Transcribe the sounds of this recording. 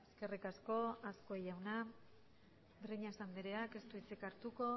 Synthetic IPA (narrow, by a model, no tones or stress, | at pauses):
eske̞rikasko̞asko̞ejawna | d̪ɾeɲasand̪eɾeake̞st̪uit͡sekaɾt̪uko̞